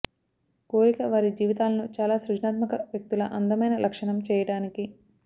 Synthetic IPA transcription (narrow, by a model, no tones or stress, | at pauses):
koːɾikɐʋaːɾid͡ʒiːʋit̪aːlɐnut͡ʃaːlaːsɾud͡ʒnaːt̪mɐkɐʋjɐk̚t̪ulɐʔɐnd̪ɐmɐjnɐlʔɐkʂɐɳɐmt͡ʃɛːjɐɽaːniki